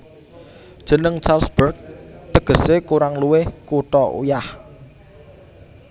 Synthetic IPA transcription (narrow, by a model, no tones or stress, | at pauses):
d̥ʒ̥ə̤nəŋt͡ʃalsbərɡ̚t̪əɡ̥ə̤sekuɾaŋluwɪhkuʈɔʔṵjah